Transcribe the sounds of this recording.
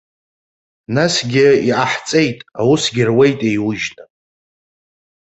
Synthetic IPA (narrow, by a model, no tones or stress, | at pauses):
nasɡʲɪiaħt͡sʼe̞jtʼawusɡʲɪrwe̞jtʼejwʊʒna